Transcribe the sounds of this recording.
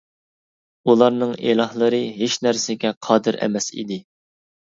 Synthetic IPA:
ulˠɑɾnɨŋelˠɑhlˠəɾɨɦeʃnæɾsɪɡʲɛqʰɑːd̪ɨɾɛ̰mɛsḭd̪ɪ

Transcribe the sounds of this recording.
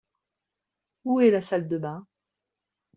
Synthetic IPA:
uɛlasald̪əbɛ̃

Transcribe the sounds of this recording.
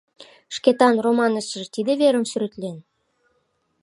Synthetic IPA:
ʃket̪ɑnromɑnəʃə̆ʒt̪id̪eβeɾə̆msyɾĕt̪len

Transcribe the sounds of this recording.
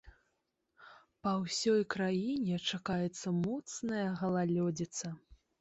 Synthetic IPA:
pɐwsʲɔjkɾajinʲɛt͡ʂakajɛt̪sːɐmɔt̪snɐjɐɣɐlˠalʲɔd͡zʲit̪sɐ

